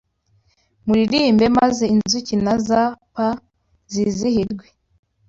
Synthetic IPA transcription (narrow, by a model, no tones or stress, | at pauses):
muɾiɾimbe̞mazeinzucinazapa | zizihiɾɡwe